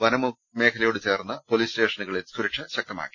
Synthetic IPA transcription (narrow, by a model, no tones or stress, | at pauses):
ʋɐnɐmu | me̞ːkʰɐlɐjoːɽɨt͡ɕe̞ːrnːɐpo̞liːste̞ːʂɐnuɣɐɭilsuɾɐkʂɐɕɐk̚tɐma̰ːkːi̥